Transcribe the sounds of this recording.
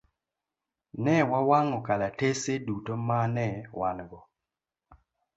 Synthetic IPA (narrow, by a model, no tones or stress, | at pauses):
nɛwawaŋɔkalatesedutomanɛwanɡɔ